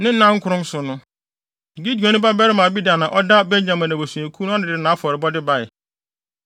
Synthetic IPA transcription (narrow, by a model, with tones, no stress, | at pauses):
nɪ̃˦n̩˦ã˦ŋ̩˦kʰʊ˦ɾʊ̃˦m˦sʊ˨nʊ̃˦˨ | ɡi˦di˨a˨nʊ̃˦ba˦bɛ˦ɾɪ˦mã˨bi˦da˨nã˨ʔɔ˦da˦bɛ˦ɲ˦ã˨mã˨nã˨bo˨sũ˨e˨kʰu˦nʊ̃˦a˦dɪ̃˨dɪɪ˨nãː˨˦fɔ˨ɾɪ˨bɔ˦dɪ˦ba˦ɪ˨